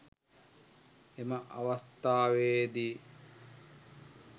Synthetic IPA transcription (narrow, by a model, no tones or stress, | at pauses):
emɐʔaʋɐst̪aːʋeːd̪i